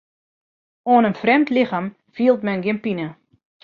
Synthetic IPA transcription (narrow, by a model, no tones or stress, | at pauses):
oənənfrɛmtlɪxaːm | fiəlˠtmɛnɡɪnpinə